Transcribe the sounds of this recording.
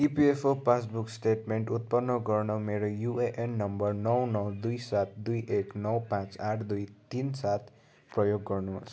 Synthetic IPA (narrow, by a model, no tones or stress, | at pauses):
ipiepʰopasbuksʈeʈmeɳʈut̪̚pʌnːʌɡʌrnʌmeɾojueʔenːʌmbʌrnʌwnʌd̪ujsat̪ʰd̪ujʔeknʌwpãt͡saʈʰd̪ujt̪insat̪ʰ | prʌjoɡːʌrnuʌ̰sʰ